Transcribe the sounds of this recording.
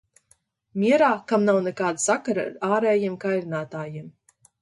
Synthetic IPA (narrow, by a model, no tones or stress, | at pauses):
mʲiɛɾaːkamnawnɛkaːd̪asakaɾaa̰ɾaːɾɛːjimkajɾinaːt̪aːjim